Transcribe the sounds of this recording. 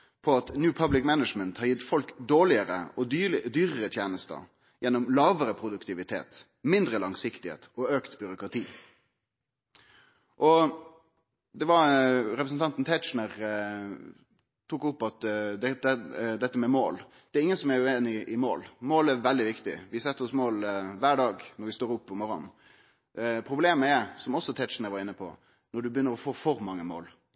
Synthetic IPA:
pʰɔɑt̪njʉːpʰɑblɪkmænəd͡ʒmənt̪hɑɾjɪt̪ːfɔlkd̪oːlɪəɾə̰ʔɔd̪yːɾəɾət̪ʰjeːnəst̪ə̰ | jɛnːɔmlɑːʋəɾəpʰɾʊd̪ʉkt̪ɪʋɪt̪ʰḛːt̪ | mɪnd̪ɾəlɑŋsɪkt̪ɪhḛːt̪ɔøːkt̪bʏɾʊkɾɑt̪ʰiː | ʔɔ | d̪ɛʋɑɾɾɛpɾəsn̩t̪ɑnt̪n̩t̪ʰɛt͡ʃn̩əʁ | t̪ʰuːkʊpːɑt̪d̪ɛɛd̪ɛt̪ːəmɛmoːl | d̪̥ɛæɾɪŋːənsɔmæɾʉeːnɪʔɪmo̰ːlmoːlæɾʋɛld̪ɪʋɪkt̪ɪ̰ʋɪsɛt̪ːəɾɔsmoːlʋæːɖɑːɡnɔɾʋɪst̪oːɾʊpːɔmɔɾɔ̰n | pʰɾʊbleːməæɾsɔmɔsːɔt̪ʰɛʃnəɾʋɑɾɪnːəpʰɔ̰ | nɔɖʉbjʏnːəɾɔfoːfɔɾmɑŋːəmo̰ːl

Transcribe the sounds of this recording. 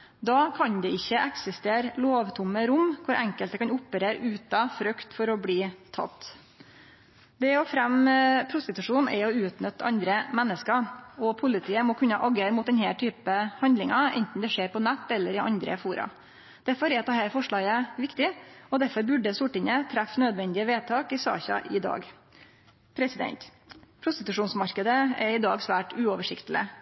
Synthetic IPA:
d̪ɑːkʰɑnd̪ɛɪçːəʔɛksɪst̪eːɾloːʋt̪ʰʊmːəɾʊmkʰʊɾʔɛŋkəlt̪əkɑnʊpːəɾeːɾʉːt̪ɑfɾœkt̪fɔɾɔbliːt̪ʰɑ̰t̪ː | d̪ɛɔfɾɛmpʰɾʊst̪ɪt̪ʉʂuːnʔɛ̰ɔʉːt̪nœt̪ːɑ̰nd̪ɾəmɛnːəskɑɔpʰʊlɪt̪ʰiːəmɔkʰʉnːəʔɑɡəɾmʊt̪̚d̪ɛnhæːʈʰyːpəhɑnd̪lɪŋɑɛ̰nt̪n̩d̪ɛʂeːɾpɔnɛt̪ːɛlːəɾɪʔɑ̰nd̪ɾə̰fuːɾɑ̰ | d̪̥æɾfɔɾɛɾt̪d̪ehæːɾfɔʂɭɑːɡəʋɪkt̪ɪɔd̪æɾfɔɾbʉɖəsʊʈɪnət̪ʰɾæfnøːd̪ʋɛnd̪ɪəʋeːt̪ʰɑːkɪsɑ̰ːçɑ̰ʔɪd̪ɑ̰ːɡ | pʰɾɛsɪd̪ɛ̰nt̪ | pʰɾʊst̪ɪt̪ʉʂuːnsmɑɾkəd̪əɛɾɪd̪ɑ̰ːɡsʋæːʈʉːɔʋəʂɪkt̪ələ̰

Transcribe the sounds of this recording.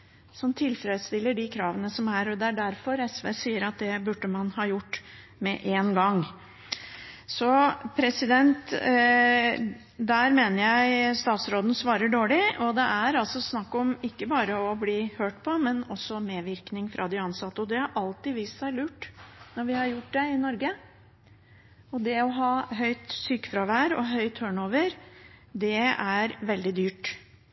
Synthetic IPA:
sɔmt̪ʰɪlfɾɛd̪st̪ɪlːəɖɪkʰɾɑːʋənəsɔmæɾɔd̪ɛæɖæɾfɔɾɛsʋesiːəɾɑt̪̚d̪ɛbʉɖːəmɑnhɑːjʊʈː | mɛʔeːnɡɑŋː | sɔpʰɾɛsɪd̪ɛnt̪ | d̪æɾmeːnəɾjæɪst̪ɑːt̪sɾoːd̪n̩sʋɑːɾəɖoːɭɪɔd̪ɛʔæɾɑlsɔsnɑkːɔmɪkːəbɑːɾəɔbliːhøːʈpʰɔmɛnɔsːɔmeːʋɪɾknɪŋfɾʔɑ̰d̪ɪɑnsɑt̪ːəɔd̪ɛhɑɾʔɑlt̪ɪʋiːstsæɪlʉːʈːnɔɾʋɪhɑɾjʊʈ̚ːd̪ɛɪnɔɾɡə | ɔd̪ɛɔɦɑːɦœʏt̪syːkfɾɑʋæːɾɔ̰ɦœʏt̪høːɳoːʋəɾd̪ɛæɾʋɛld̪ɪd̪yːʈ

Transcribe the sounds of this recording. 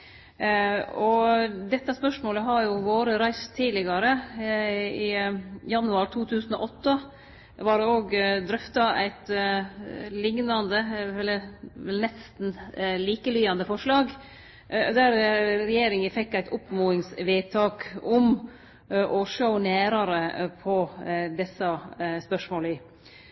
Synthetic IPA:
ɔd̪ɛt̪ːɑspœʂmoːləɦɑɾjʊʋoːɾəɾæɪst̪ʰːiːlɪɡɑɾə | ɪjɑnːʉɑɾt̪ʰuːt̪ʰʉːsn̩ɔ̰ʔɔt̪ːə | ʋɑɾoːɡd̪ɾʏft̪ɑæ̰ɪt̪ | lɪŋnɑnd̪əɛlːəɾʋɛlnɛst̪n̩liːkəlyːɑnd̪əfɔʂlɑːɡ | d̪æɾɾɛjeːɾɪŋəfɛkːæɪt̪ʰʊpmuːɪŋsʋeːt̪ʰɑːkɔm | ʔɔʂoʊnæːɾɑɾəpʰɔd̪ɛsɑspœʂmoːlɪ

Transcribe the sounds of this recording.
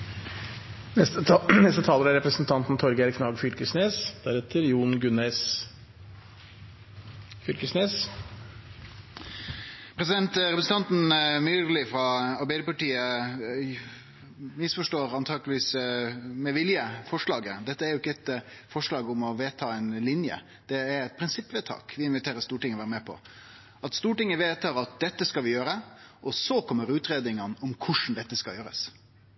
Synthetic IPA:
ɛnɛst̪ət̪ʰɑːləɾæɾɛpɾəsnt̪ʰɑnt̪n̩t̪ʰɔɾɡæɾkʰnɑːɡfʏlkəsneːsd̪̥æɾɛt̪ʰəɾjuːnɡʉneːs | fʏlkəsneːs | pʰɾɛsɪd̪ɛnt̪ɾɛpɾəsn̩t̪ɑnt̪n̩myːʁlɪfɾɑɑɾbeɪd̪əpɑʈiːə | mɪsfɔʂʈoːɾɑnt̪ʰɑːɡlɪʋiːs | mɛʋɪljəfɔʂɭɑːɡəd̪ɛt̪ːəæɾjʊɪkːəɛt̪ | fɔʂlɑːɡʊmɔʋeːt̪ʰɑːɛɪnlɪnjə̰ | d̪̥ɛæɾɛt̪̚pʰɾɪnsɪpːʋeːt̪ʰɑ̰ːkʋɪɪnʋɪt̪ʰeːɾəɾst̪uːʈɪŋəɔʋæːɾəmɛːpʰɔ̰ | ɑt̪st̪uːʈɪŋːəʋeːt̪ʰɑːɾɑt̪̚d̪ɛt̪ːəskɑlʋɪjøːɾəʔɔsɔkʰɔmːəɾʉːt̪ɾeːd̪ɪŋənɔmkʰʊʂn̩d̪ɛt̪ːəskɑjøːɾə̰s

